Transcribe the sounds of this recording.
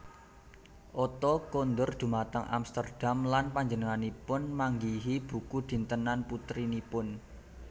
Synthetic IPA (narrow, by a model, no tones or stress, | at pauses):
ʔɔt̪ɔkond̪ʊrd̪̥ṳmat̪əŋʔa̰mst̪ərd̥amlanpaɲd͡ʒənəŋanipʊnmaŋɡiɦib̥ṳkud̪̥i̤nt̪ənanput̪ɾinipʊn